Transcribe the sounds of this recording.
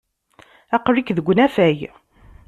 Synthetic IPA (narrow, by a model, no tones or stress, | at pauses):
æqɾikðəɡʷːnæfæj